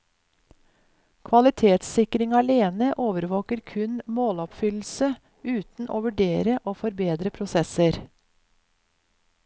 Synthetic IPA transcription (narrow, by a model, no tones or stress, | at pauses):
kʰʋɑlɪt̪ʰeːt̪sɪkɾɪŋɑleːnəʔoːʋəɾʋoːkəɾkʰʉnmoːlɔpfʏll̩sə | ʉːt̪n̩ʔo̰ːʋʉɖeːɾəʔoːfɔɾbeːd̪ɾəpʰɾʊsɛsəɾ